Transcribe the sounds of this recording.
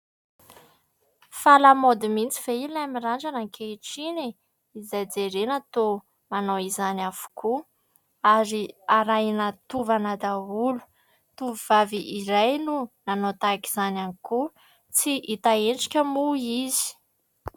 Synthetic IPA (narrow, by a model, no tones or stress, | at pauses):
falamod̪imint͡si̥veilnamiraɳd͡ʒanaŋkʰeʈ͡ʂini | izajd͡zeɾenat̪o | manowizanafu̥ku | aɾiaɾajnat̪uvanad̪aulu̥ | t̪uvivaviʔiɾajnunanot̪aki̥z̥ananiku | t͡siʔit̪aeɳʈ͡ʂi̥kʲəmuizi̥